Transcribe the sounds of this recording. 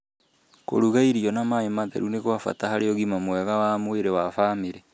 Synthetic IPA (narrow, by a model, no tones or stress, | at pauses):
ko̰ɾuɣaiɾiɔnamaemaðɛ̰ɾuneɣoafa̰tahaɾeɔɣimamwɛɣawaːmweɾewafaːmeɾɛ